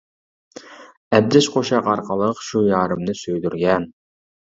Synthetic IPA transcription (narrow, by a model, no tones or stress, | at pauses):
ɛd̚d̪ɪʃqʰoʃɑqɑɾqʰɑlˠəqʃujɑːɾɨmnɨsøjd̪yɾɡʲɛn